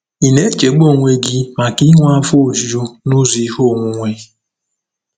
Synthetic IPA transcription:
i˨ne˦t͡ʃe˨ɡ͡bo˦˨ŋʷe˦ɡɪ˦ma˨ki˦ŋʷa˦fo˦˨zi˨o˦nʊ˦zi˨i˦ho˦˨ŋʷu˦ŋʷe˦

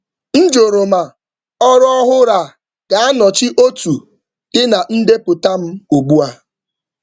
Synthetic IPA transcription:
n̩˦d͡ʒo˨ɾo˨ma˨ | ɔ˦ɾɔ˦ɦʊ˦ɾa˨ | ɡ̥a˨a˦nɔ˨t͡ʃɪ˦ʔo˦tu˨ | d̥ɪ˦na˨n̩˦de˦pʊ˨ta˦m̩˦o˨ɡ͡bu˦a˦

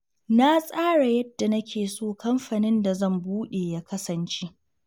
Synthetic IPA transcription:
na˦sʼaː˦ɽa˨jɐ˦d̥ːa˨nɐ˦kʲʰeː˨soː˦˨kɐ˦mɸaː˨nɪ˦nda˨zɐ˦˨mbuː˦ɗeː˨jaː˦kɐ˦sɐ˨nt͡ʃe˦ʔ

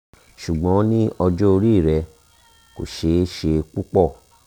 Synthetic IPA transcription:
ʃu˨ɡ͡bɔ̃˨˦nĩ˦ɔ˧d͡ʒo˦o˧ɾi˦˨ɾɛ˧ | ko̰˨ʃe˨˦ʃe˧k͡pu˦k͡pɔ˦˨

